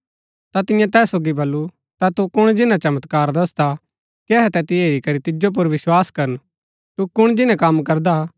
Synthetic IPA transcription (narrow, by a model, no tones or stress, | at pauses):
t̪at̪ɪjãt̪ɛːsoːɡibɐlːu | t̪at̪ukʊɽ̃d͡ʒɪnãt͡ʃɐmət̪kaːɾd̪ɐsd̪a | kiɛɦɛt̪ɛt̪iɦeːɾikɐɾit̪ɪd͡ʒop̬ʊɾʋɪswaːskɐɾən | t̪ukʊɽ̃d͡ʒɪnãkɐmkɐɾd̪a